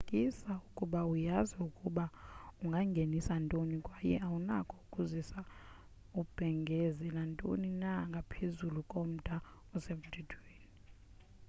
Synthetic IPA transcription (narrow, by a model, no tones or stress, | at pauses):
kʼisaukʼuɓaujaziukʼuɓauŋɡʱaŋɡʱenisantʼonikʼwajɛ̰awunakʰʼɔukʼuzisa | ub̥ʱɛŋɡʱɛzɛlantʼo̰ninaŋɡʱapʰezulukʼom̩d̥ʱa | ɔsemud̥ʱid̥ʱweːni